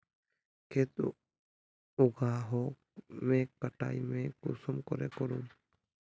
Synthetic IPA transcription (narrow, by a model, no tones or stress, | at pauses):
keːt̪u | ʊɡaːɦoː | mẽːkəʈa̰ːimẽkʊ̰səmkɔɾḛːkɔɾũː